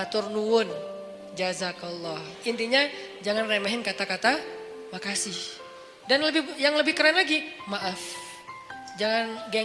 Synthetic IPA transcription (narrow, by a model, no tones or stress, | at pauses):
at̪ʊrnuwʊn | d͡ʒazakɔlˠːɔh | int̪iɲad͡ʒaŋanremeɦɪnkat̪akat̪a | makasɪh | danləbɪhjaŋləbɪhkəɾanlaɡimaʔaf | d͡ʒaŋanɡɛ